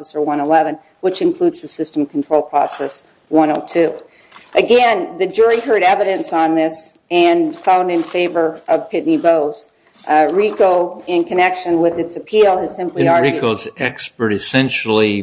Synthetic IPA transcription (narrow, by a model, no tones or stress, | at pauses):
ɛsə˞wʌ̃ñəlɛvɨ̃n | wət͡ʃɨ̃nkʰl̥ʉdz̥ðɨsɪstm̩kʰn̩tʰɹ̥oʊlˠpʰɹ̥ɔ̰sɛs | wʌ̃noʊtʰʉ | ʔɨɡɛ̃nðɨd͡ʒʊɹiɦɜ˞ɾɛvɨɾɨ̃nsn̩ðɪs | ɨ̃nfãʊ̃ndɨ̃nfeɪvə˞ʌv̥pʰɪʔⁿniboʊz̥ | ɹikoʊɪ̃nkʰɨnɛkʃɨ̃nwɪðɨtsɨpʰilˠɨz̥sɪ̃mpliɑɹɹikoʊzɛkspə˞ɾɨsɛ̃nʃl̩ˠi